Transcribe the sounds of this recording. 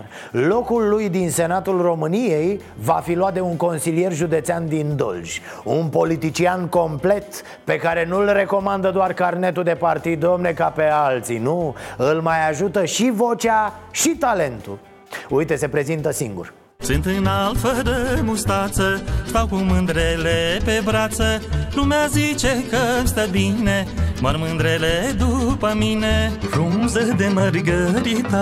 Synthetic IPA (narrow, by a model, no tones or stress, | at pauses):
lo̞kulːujd̪inse̞nat̪ulro̞mɨnije̞j | vafiloat̪̚d̪e̞uŋko̞nsilije̞rʒud̪e̞t̪seand̪ind̪o̞̰ld͡ʒʲ | unpo̞lit̪it͡ʃianko̞mple̞t̪ | pe̞kaɾe̞nulre̞ko̞mand̪əd̪oarkarne̞t̪ud̪e̞part̪id̪̚d̪omne̞kape̞alt̪sinuɨlmajaʒut̪əʃivo̞t͡ʃaʃit̪ale̞nt̪ṵ | ujt̪e̞se̞pɾe̞zint̪əsiŋɡṵr | sɨnt̪ɨnalfəd̪əmust̪at̪səʃt̪awkumɨnd̪ɾelepe̞bɾat̪səlumeazit͡ʃekəst̪əbinemarmɨnd̪ɾeled̪upəminefɾunzəd̪e̞mərɡəɾit̪a